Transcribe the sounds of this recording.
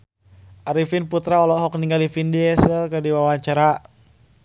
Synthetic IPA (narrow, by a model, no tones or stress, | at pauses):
ʔaɾifinput̪ɾaɔlɔɦɔkniŋɡalifindiɛsəlkərdiwawaɲt͡ʃaɾa